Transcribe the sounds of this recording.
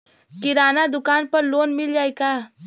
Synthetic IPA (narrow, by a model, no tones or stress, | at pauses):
kɪɾaːnad̪ʊkaːnpɐɾloːnmɪld͡ʒaːeɡaː